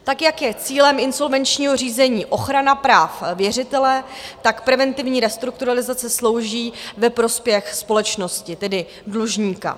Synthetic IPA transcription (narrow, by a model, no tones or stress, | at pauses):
t̪akjakjɛt͡siːlɛmɪnso̞lvɛnt͡ʃɲiːɦo̞r̝iːzɛɲiːʔo̞xɾanapɾaːfvjɛr̝ɪt̪ɛlɛt̪akpɾɛvɛnt̪ɪvɲiːɾɛst̪ɾuk̚t̪uɾalɪzat͡sɛslo̞wʒiːvɛpɾo̞spjɛxspo̞lɛt͡ʃno̞scɪt̪ɛdɪ | dluʒɲiːka̰